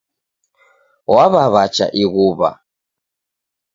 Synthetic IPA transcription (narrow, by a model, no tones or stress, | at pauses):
waβaβat͡ʃa̰ʔiɣuβa̰